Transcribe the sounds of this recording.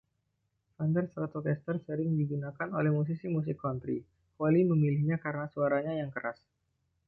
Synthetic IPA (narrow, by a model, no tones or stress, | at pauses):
fandərsəɾat̪ot̪ɛst̪ərsəɾɪŋdiɡunakanolɛhmus̬isimus̬ɪkːɔnt̪ɾḭ | haliməmilɪhɲakaɾənasuaɾaɲajaŋkəɾas